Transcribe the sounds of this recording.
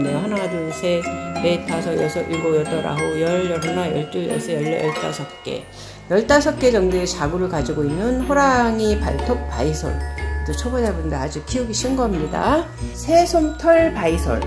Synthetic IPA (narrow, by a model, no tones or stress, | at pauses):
deɦanadɯsʰepetʰasʰʌjʌsʰʌʔiɭɡojʌt͈ʌɾa̰ɦojʌɭjʌɭɦanajʌ̰ɭt͡ɕ͈ujʌ̰sʰʌjʌɭːjʌɭt͈a̰sʰʌp̚k͈e̞̰ | jʌɭt͈asʰʌp̚k͈e̞d͡ʑʌŋduet͡ɕaɡuɾɯɭkad͡ʑiɡoinːɯnɸoɾaŋipa̰ɭtʰok̚p͈aisʰʌ̰ɭtot͡ɕʰʌbodabundead͡ʑukʰiuɡiɕ͈inɡʌmɲida̰ | sʰesʰomtʰʌɭpaisʰʌ̰ɭ